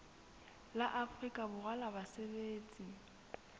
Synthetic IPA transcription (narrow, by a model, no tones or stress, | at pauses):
laʔafrikʼabʊɣalabasebeːt͡sʼi